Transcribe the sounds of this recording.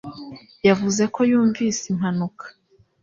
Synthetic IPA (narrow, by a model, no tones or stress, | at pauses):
javuze̞ko̞juːɱviːsim̥hanukʰḁ